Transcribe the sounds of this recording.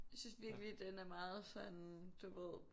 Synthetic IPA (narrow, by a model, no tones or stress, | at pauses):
jasynsʋiɐɡ̥lid̥enæɐmɑ̈ːð̩ˠsɒ̽nd̥uʋeð̰ˠ